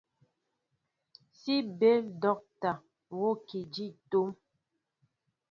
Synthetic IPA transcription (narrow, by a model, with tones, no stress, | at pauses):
si˦be˦ldɔ˦k̚ta˨ | wo˦ki˨d͡ʒi˦˨to˦m